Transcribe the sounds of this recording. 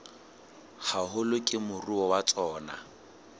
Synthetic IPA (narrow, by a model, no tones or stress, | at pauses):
hahʊlʊkʼɪmʊruɔwat͡sʼɔːna̰